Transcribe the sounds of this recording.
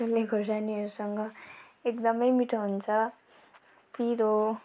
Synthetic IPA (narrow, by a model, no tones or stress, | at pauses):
ʌlːeɡʱosaniʌɾusʌŋɡʌ | ekd̪ʌmʌjmiʈʰɦunt͡sʰʌ | piɾo